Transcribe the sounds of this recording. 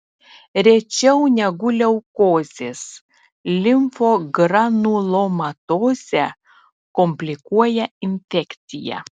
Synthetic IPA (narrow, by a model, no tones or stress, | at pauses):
ɾʲɛt͡ʃʲɛʊnʲɛɡʊlʲɛʊkoːzʲes | lʲɪmfoɡɾɐnuːlˠomɐt̪oːzʲɛ | kɔmʲpʲlʲɪkuɔjɛɪnʲfʲɛkʲt̪sʲɪjɛ̰